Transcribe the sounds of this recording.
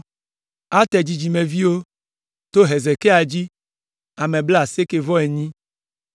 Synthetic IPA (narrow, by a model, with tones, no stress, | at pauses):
a˦t̪ɛ˨d͡ʑi˨d͡ʒi˨me˨vi˦wo˦ | t̪o˦ɦɛ˨zɛ˨ke˦a˨d͡ʑi˦ | a˨mɛ˨bla˨se˦ke˦vɔ˦ɛ˨ɲĩ˦